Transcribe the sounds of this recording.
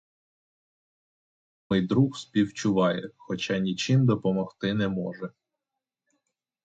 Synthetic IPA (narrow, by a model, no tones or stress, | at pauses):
mɔjd̪ɾuxspʲiwt͡ʃʊʋɑjɛxɔt͡ʃɑnʲit͡ʃɪmd̪ɔpɔmɔxt̪ɪnɛmɔʒɛ